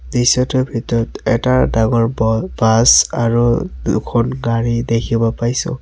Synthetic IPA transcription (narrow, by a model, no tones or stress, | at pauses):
disɔtɔbʱitɔɹɔtɛtadaŋɔɹbasaɹudʊ̰kʰɔnɡaɹidekʰibɔpajsʊ̰̃